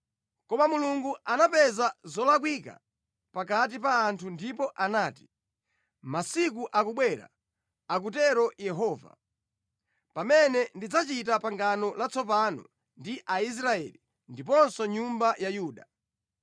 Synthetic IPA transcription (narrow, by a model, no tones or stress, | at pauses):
kɔmamuluŋɡuanapɛzazɔlak̬wika̰ | pak̬at̬ip̬aːntʰundipɔʔanaːti̥ | masik̬uʔak̬uɓwɛɾa̰ | ak̬utɛɾɔjɛɦɔːva̰ | pamɛnɛndid͡zat͡ʃitapaŋɡanɔlat͡sɔp̬anɔ̰ | ndiʔais̬ɾaɛ̰li | ndipɔnsɔɲumbajajuːɗa